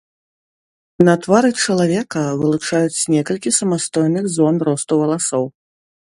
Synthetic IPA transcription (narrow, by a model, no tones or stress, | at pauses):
nɐt̪vaɾɨt͡ʂɐlˠavʲɛkɐvɨlˠut͡ʂajut͡sʲnʲɛkɐlʲkʲisɐmast̪ɔjnɨxzɔnrɔst̪uvɐlˠasɔw